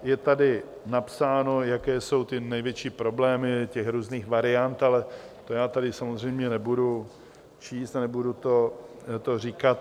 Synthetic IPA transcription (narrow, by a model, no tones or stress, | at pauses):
jɛt̪adɪ | napsaːno̞jakɛːso̞wt̪ɪnɛjvjɛt͡ʃiːpɾo̞blɛːmɪcɛxɾuːzniːxvaɾɪant̪alɛ | t̪ojaːt̪adɪsamozr̝ɛjmɲɛnɛbudu | t͡ʃiːst̪anɛbudut̪o̞ | t̪o̞r̝iːkat̪